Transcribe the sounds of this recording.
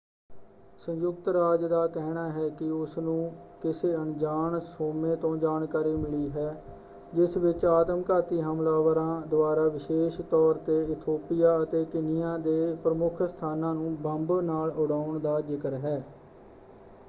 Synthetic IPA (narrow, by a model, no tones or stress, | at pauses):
sə̃ɲjʊk̚t̪ɾaːd͡ʒd̪aːkɛɦnaːɦɛːkɪʊsnũːkɪseːənd͡ʒaːɳsoːmẽːt̪õːd͡ʒaːnkaːɾiːmɪliːɦɛː | d͡ʒɪsʋɪt͡ʃaːt̪əmkaːt̪iːɦəmlaːʋəɾãːd̪ʊaːɾaːʋɪʃeːʃt̪ɔːɾt̪eːɪt̪ʰoːpɪjaːət̪eːkɪnɪjãːd̪eːpɾəmʊkʰst̪ʰaːnãːnũːbəmbnaːlʊɽaːʊɳd̪aːd͡ʒɪkəɾɦɛː